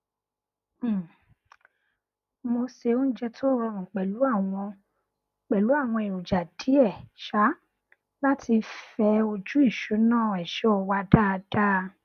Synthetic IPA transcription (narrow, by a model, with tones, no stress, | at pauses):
mo˧se˧o˦n̩˦d͡ʒɛ˦˧tʰo˦ɾɔ˧˨mũ˨k͡pɛ˨lu˨˦a˦˨w̃ɔ̃˧˨ | k͡pɛ˨lu˨˦a˦˨w̃ɔ̃˧i˨o˨d͡ʒa˨di˨˦ɛ˦˨ʃa˨˦ | la˦tʰi˧fɛ˧o˧d͡ʒu˦i˦˨ʃo˨˦nãː˦˨ɛ˨ʃɔ˨˦ɔ˨wa˧˦da˦˧d̥a˦˧